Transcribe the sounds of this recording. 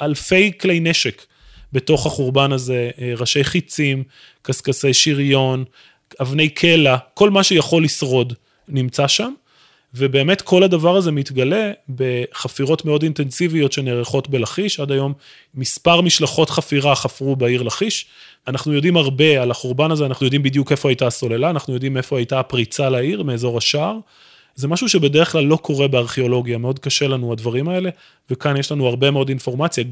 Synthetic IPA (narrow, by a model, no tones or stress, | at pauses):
alfe̞jklejne̞ʃek | beto̞χaχuʁbanaze̞ʁaʃe̞jχit͡sim | kaskase̞jʃiʁjo̞n | avne̞jkʰe̞lako̞lmaʃejaχo̞lːisʁo̞d | nimt͡saʃam | vebe̞ːme̞tkʰo̞ladavaʁaze̞mitɡale̞be̞χafiʁo̞tmeo̞dintensivijo̞tʃe̞neʁeχo̞tbelaχiʃadajo̞mː | ispaʁmiʃlaχo̞tχafiʁaχafʁubaiʁlaχiʃ | anaχnujo̞dimhaʁbe̞alaχuʁbanazeanaχnujo̞d̪imbid̪juke̞foajtaso̞le̞laːnaχnujo̞d̪ime̞fo̞ajtapʁit͡salaiʁmeːzo̞ʁaʃaʁ | zemaʃuʃe̞be̞deʁeχklalːo̞kʰo̞ʁe̞beaʁχeo̞lo̞ɡjameo̞dkaʃelanuadvaʁimae̞le̞ | vekanjeʃlanuaʁbe̞me̞o̞dinfo̞ʁmat͡sja